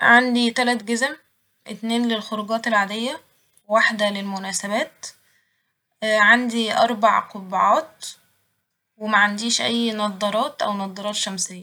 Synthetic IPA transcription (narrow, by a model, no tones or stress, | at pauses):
ʕand̪it̪ælæt̪ɡezm | ʔet̪neːnlelxoɾuɡɑːt̪elʕad̪ejːæ | waħd̪ælelmʊnæːsæβæːt̪ | ʕand̪iʔɑ̰ɾˤbaʕqobʕɑːt̪̚ | wemæʕand̪iːʃʔæjːnɑd̪ˤːɑɾˤɑːt̪ʔæwnɑd̪ˤːɑɾˤɑːt̪ʃæmsejːæ